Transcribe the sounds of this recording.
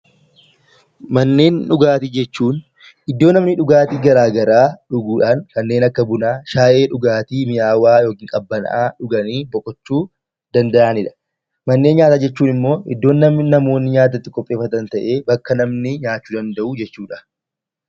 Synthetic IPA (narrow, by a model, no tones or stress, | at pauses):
mɐnːe̞ːnᶑʊɡaːt̪iːd͡ʒɛt͡ʃːuːn | ʔɪd̪ːo̞ːnɐmnɪᶑʊɡaːt̪iːɡɐɾaːɡɐɾaːᶑʊɡuːᶑaːnkɐnːe̞ːnɐkːɐbʊnaːʃaːʔe̞ːᶑʊɡaːt̪iːmɪjaːwaːjo̞ːkiːŋkʼɐbːɐnʔaːᶑʊɡɐniːbɔkʼɔt͡ʃːuː | d̪ɐnd̪ɐʔaːnɪᶑɐ̥ | mɐnːe̞ːnɲaːt̪aːd͡ʒɛt͡ʃːuːnɪmːo̞ːɪ̰d̪ːo̞ːnːɐmɪnɐmo̞ːnːɪɲaːt̪̬ɐt̪ːɪkʼɔpʼːe̞ːfːɐt̪ɐnt̪ɐʔe̞ːbɐkːɐnɐmnɪɲaːt͡ʃːuːd̪ɐnd̪ɐʔuːd͡ʒɛt͡ʃːuːᶑɐ̥